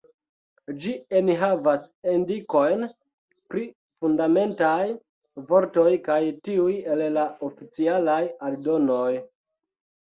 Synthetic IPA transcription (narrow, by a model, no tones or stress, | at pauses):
d͡ʒieniɦavasendiko̞jn | pɾi | fundame̞ntaj | vo̞ɾto̞jkajtiuje̞llaofit͡sialajaldo̞no̞j